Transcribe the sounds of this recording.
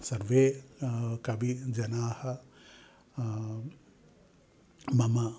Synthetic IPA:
sɐɾʋeː | kɐbid͡ʒɐnaːhɐ | mɐmɐ

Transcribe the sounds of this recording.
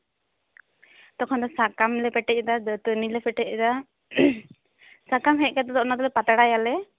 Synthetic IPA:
t̪ɔkʰɔnd̪ɔsakamlɛpɛʈɛc̚ˀd̪adt̪ənilɛpɛʈɛc̚d̪a | sakamɦɛc̚ˀkat̪ɔd̪ɔʔnad̪ɔlɛpat̪aɽajalɛ

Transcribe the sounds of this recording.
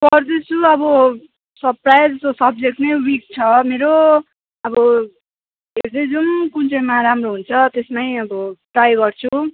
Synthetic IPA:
pʌrd̪esuʌbʌ | sʌprajd͡zʌsosʌb̚d͡zek̚ʈnʌjwik̚t͡sʰʌmeɾo | ʌbʌ | ɦeɾd̪ʌjd͡zunkunt͡sʌjmaɾamroɦunt͡sʰʌt̪esmajʌbʌʈrajɡʌrt͡sʰu

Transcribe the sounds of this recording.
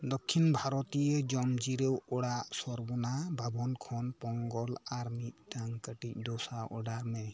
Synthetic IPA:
d̪ɔkʰːinbʱaɾɔt̪ijɛd͡ʒɔmd͡ʒiɾewɔɽaʔsɔɾbɔnabʱabɔnkʰɔnpɔŋɡɔlaɾmit̪̚taŋkəʈic̚ˀdɔsaʔɔ̰ɖaɾmɛ

